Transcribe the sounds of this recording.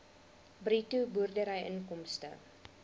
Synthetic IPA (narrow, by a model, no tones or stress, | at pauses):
britubuərdəɾəjʔəŋkɔmstə̰